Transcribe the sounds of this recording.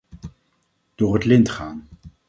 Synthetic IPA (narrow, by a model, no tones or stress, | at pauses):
d̥ʊːrɦətlɪntχaːn